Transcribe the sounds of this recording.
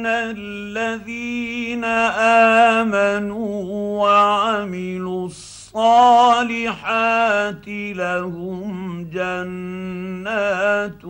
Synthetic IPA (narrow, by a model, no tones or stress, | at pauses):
na | lːaðiːnaʔaːmanuːwaʕamɪlusˤːɑːlɪħaːt̪ɪlahʊmd͡ʒanː | aːt̪